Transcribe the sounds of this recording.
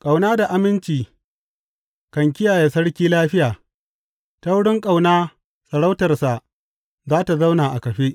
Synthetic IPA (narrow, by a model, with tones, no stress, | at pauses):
kʼa˨wnaː˦da˨ʔa˨mɪ˦nt͡ʃiː˨ | kɐ˨ŋk̬ʲɪ˦jaː˨je˨sɐ˦ɽkʲiː˦laː˦ɸɪ˦jaː˨ | ta˦wʊ˦ɽɪ˦ŋkʼa˨wnaː˦ | sʼɐ˨ɽa˦wtɐ˨rsa˨ʔ | zaː˦ta˨za˦wnaː˨ʔa˨kɐ˨ɸe˦ʔ